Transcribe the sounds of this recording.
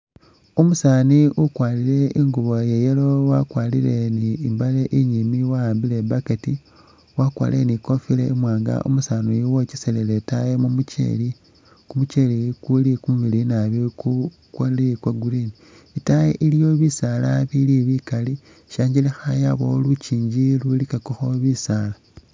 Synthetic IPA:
umusaːniʔukwaːliɾe̞iŋɡuβo̞jejelowakwaːliɾe̞niːmbaleʔiɲimiwaaːmbile̞baketi | wakwa̰ːleniko̞file̞imwaːŋɡa̰ʔṵmusaːnojiwociseleletajemumucḛli | kumut͡ʃelikulikumuβilinaβiku | kwaliikwaɡuɾini | itajeʔilijo̞βisalaβiliβikali | ʃaːɲɟilixajaβo̰lut͡ʃiːɲd͡ʒilulikakoxoβisala

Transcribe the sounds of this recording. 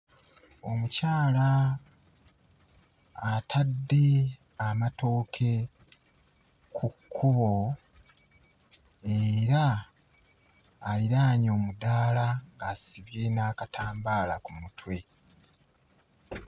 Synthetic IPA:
o̞mucaːla | tʰadːe̞ | amato̞ːkʰe̞ | kʰukʰːuβo̞ | eɾa | liɾaːɲo̞ːmudaːlaŋɡasiβje̞naːkatʰaːmbaːlakumutʰwe̞

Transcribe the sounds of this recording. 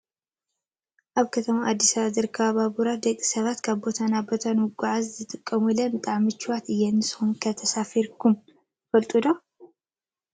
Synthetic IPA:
ʔaβkʰɐt̪ʰɐmaʔad̪ːisaβazɨɾɨkʰaβabuɾad̪ɐkʼːi̥sɐβat̪kʰaβbo̞t̪ʰanabo̞t̪ʰanmɨɡʷaʕazzɨt̪ʼɨkʼːɐmulɐmɨt̪ʼaʕmɨt͡ʃːiwat̪ɨjːɛnːɨsɨ̥xunkʰɐt̪ʰɐsafiɾkʰum | fɐlt̪ʼud̪o

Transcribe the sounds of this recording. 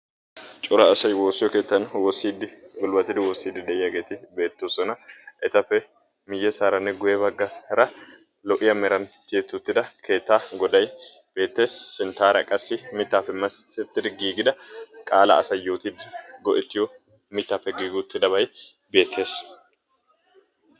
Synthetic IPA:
t͡ʃʼʊɾɐːsɐjwoːsːɪjɔke̞ːt̪ːɐnwɔsːiːd̪ɪɡʊlbɐt̪ːɪd̪ɪwɔːsːiːd̪ːɪd̪ɛʔɪjɐɡe̞ːt̪ɪbe̞ːt̪ːoːsɔnɐʔɛt̪ɐpːɛ | mɪjːɛsaːɾɐnːɛɡʊjɛbɐɡːɐsɾɐ | lɔʔɪjɐmɛɾɐnkeːt̪ːʊt̪ːɪd̪ɐkʰe̞ːt̪ːaːɡɔd̪ɐj | b̥e̞ːt̪ːe̞ːsːɪnt̪aːɾɐ̰kʼɐsːɪmɪt̪ːaːpːɛmɐst̪ɛt̪ːɪd̪ɪɡiːɡɪd̪ɐkʼaːlɐ̰ɐ̰sɐjːo̞ːt̪ɪd̪ɪɡɔʔɪt̪ːɪjɔ | mɪt̪ːaːpːɛɡiːɡʊt̪ːɪd̪ɐβɐj | be̞ːt̪ʰːe̞ːs

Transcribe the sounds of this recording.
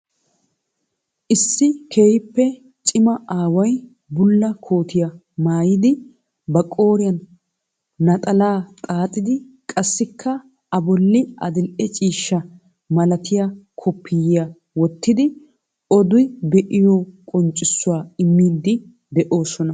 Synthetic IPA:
ʔɪsːɪkʰeːhɪpːɛ | t͡ʃʼɪmɐʔaːwɐj | bʊlːɐkʰo̞ːt̪ʰɪjɐ | maːjɪd̪ɪ | bɐkʼo̞ːɾɪjɐnː | ɐt̪ʼɐlaːt̪ʼaːt̪ʼɪd̪ɪ | kʼɐsːɪkʰːɐ | ɐbɔlːɪɐ̰d̪ɪlʔɛt͡ʃʼiːʃːɐ | mɐlɐt̪ʰɪjakʰɔpʰːɪjɪja | wɔt̪ːɪd̪ɪ | ɔd̪ʊjbɛʔɪjɔkʼɔnt͡ʃʼːɪsːʊwaːɪmːiːd̪ːɪ | d̪ɛʔo̞ːsɔnɐ

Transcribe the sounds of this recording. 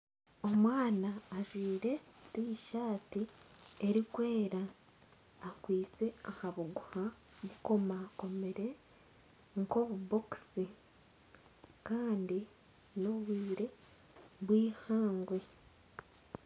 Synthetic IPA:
o̞mwaːnaːʒwiːɾe̞tiʃaːtie̞ɾikwe̞ːɾaː | kwiːt͡se̞ahaβuɡuhaβuko̞mako̞me̞ɾe̞ | ŋko̞βubo̞ki̥si | kaːndi | no̞βwiːɾe̞ | βwiːhaːŋɡwe̞

